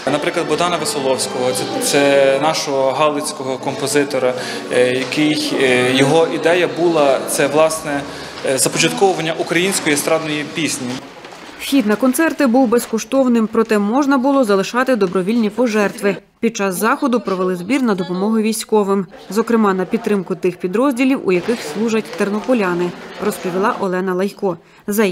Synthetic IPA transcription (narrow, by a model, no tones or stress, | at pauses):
nɐpɾɪklˠɐd̪bɔd̪ɑnɐʋɪsɔlˠɔwsʲkɔɦɔt̪sɛnɑʃɔɦɔɦɑlˠɪt͡sʲkɔɦɔkɔmpɔzɪt̪ɔɾɐjɐkɪjjɔɦɔʔid̪ɛjɐbulˠɐt̪sɛʋlˠɑsnɛzɐpɔt͡ʃɐt̪kɔʋʊʋɐnʲːɐʔukɾɐjinʲsʲkɔjiɛst̪ɾɑd̪nɔjipʲisʲnʲi | wxʲid̪nɐkɔnt̪sɛrt̪ɪbuwbeskɔʃt̪ɔwnɪmpɾɔt̪ɛmɔʒnɐbʊlˠɔzɐlˠɪʃɑt̪ɪd̪ɔbɾɔʋʲilʲnʲipɔʒɛrt̪ʋɪ | pʲid̪̚t͡ʃɑsːɑxɔd̪ʊpɾɔʋelˠɪzbʲirnɐd̪ɔpɔmɔɦʊʋʲijsʲkɔʋɪm | zɔkɾɪmɑnɐpʲid̪ɾɪmkʊt̪ɪxpʲid̪ɾɔzʲdʲilʲiwṵjɐkɪxslˠuʒɐtʲt̪ernɔpɔlʲɑnɪrɔspɔʋʲilˠɑʔɔlˠɛnɐlˠɐjkɔ | zɐ